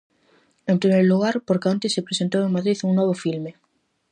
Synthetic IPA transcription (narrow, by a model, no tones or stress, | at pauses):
empɾimeɾluɣ̞aɾpoɾkant̪esːepɾesent̪oweŋmaðɾiðuŋnoβ̞ofilme